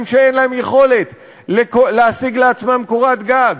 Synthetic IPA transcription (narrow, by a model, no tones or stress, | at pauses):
mʃeenlae̞mjeχo̞le̞t̪ | lekoleasiɡleat͡smamkoʁat̪ɡaɡ